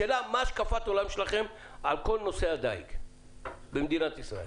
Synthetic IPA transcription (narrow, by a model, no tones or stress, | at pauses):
eːlamaːʃkafat̪o̞lamʃelaχe̞m | alko̞lno̞sead̪aik | bemd̪inat̪isʁa̰el